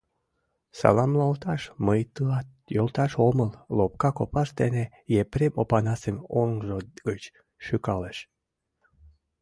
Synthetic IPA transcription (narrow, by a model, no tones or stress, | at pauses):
sɑ̰lɑmlɑlt̪ɑʃməjt̪ɑt̪̚ | jolˠt̪ɑʃoməlˠlop̚kɑkopɑʃt̪ene | jepɾemopɑnɑsemoŋʒoɡət͡ɕ | ʃykɑleʃ